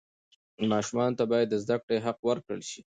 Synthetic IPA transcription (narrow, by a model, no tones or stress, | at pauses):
mɑʃumɑnot̪abɑjad̪ːəzd̪akɽeɦaqwəɾkəɭʃi